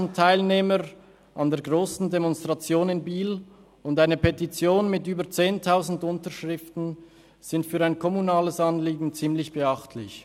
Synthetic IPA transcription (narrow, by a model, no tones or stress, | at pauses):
n̩tʰaɪlneːməʁ | ʔandeːɐɡʁoːsn̩demɔnstʁ̥at͡sjoːnɪnbiːl | ʊndaɪnəpʰetit͡sjoːnmɪtyːbət͡seːntʰaʊzn̩dʊntəʁʃʁɪftn̩ | z̥ɪntfyːʁaɪnkʰɔmunaːləsɑnliːɡŋ̩t͡siːmlɪçb̥əɑχtʰlɪç